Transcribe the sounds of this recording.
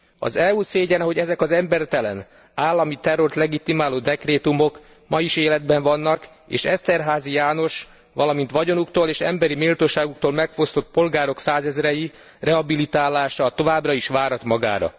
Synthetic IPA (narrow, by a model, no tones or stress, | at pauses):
ɒ̰zɛuːseːɟɛnɒɦo̞ɟɛzɛkɒzɛmbɛrt̪ɛlɛn | aːlːɒmit̪ɛro̞rt̪lɛɡit̪imaːloːd̪ɛkreːt̪umo̞k | mɒjiʃeːlɛd̪̚bɛɱvɒnːɒk | ḛːʃɛst̪ɛrɦaːzijaːno̞ʃ | ʋɒlɒmint̪ʋɒɟo̞nukt̪oːleːʃɛ̰mbɛɾimeːlt̪oːʃaːɡuk̚t̪oːlmɛkfo̞st̪o̞t̪̚po̞lɡaːɾo̞ksaːzɛzɾɛji | rʔɛɦɒbilit̪aːlːaːʃɒt̪o̞vaːbrɒiʃʋaːɾɒt̪mɒɡa̰ːɾɒ̰